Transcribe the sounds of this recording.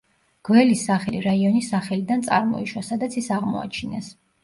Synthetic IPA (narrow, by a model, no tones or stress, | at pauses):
ɡ̥wɛlisaχɛliɾaiɔnisaχɛlid̪ant̪sʼa̰ɾmɔ̰iʃwasad̪at̪sʰisaʁmɔ̰a̰t͡ʃʰinɛs